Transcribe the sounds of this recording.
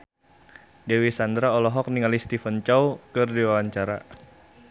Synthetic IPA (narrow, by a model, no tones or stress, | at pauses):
dewisand̪ɾaɔlɔɦɔk̚niŋalist̪ifənt͡ʃawkərdiwawaɲt͡ʃaɾa